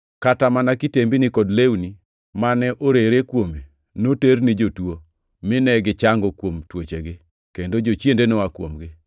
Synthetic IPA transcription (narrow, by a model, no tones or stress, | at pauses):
katamanakɪtembinɪkɔdlewni | manɛʔoɾeɾekwome | noteɾnɪd͡ʒotwo | mɪnɛɡɪt͡ʃaŋɡɔkwomtwot͡ʃeɡɪ | kendod͡ʒot͡ʃjendenowakwo̰mɡɪ